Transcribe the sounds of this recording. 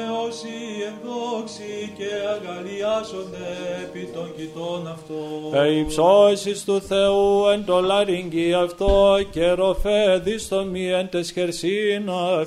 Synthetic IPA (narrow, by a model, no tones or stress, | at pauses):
eosiend̪oksiceɐɣɐliɐzond̪eːpit̪oɲɟit̪onɐft̪oeipsosist̪uθeuent̪olɐɾiɲɟiɐft̪oceɾo̞feðist̪omient̪esçeɾsinɐ